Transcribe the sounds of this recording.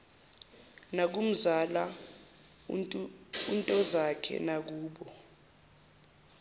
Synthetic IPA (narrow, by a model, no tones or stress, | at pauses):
nak̬um̩zala | untʼɔzakʰɛ̰nak̬uːɓɔ